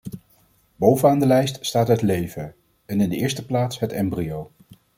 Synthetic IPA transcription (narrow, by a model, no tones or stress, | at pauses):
bowvənaːndəlɛjststaːtɦətlejvə | ɛnɪndəɪːɹstəplaːtsɦətɛmbriow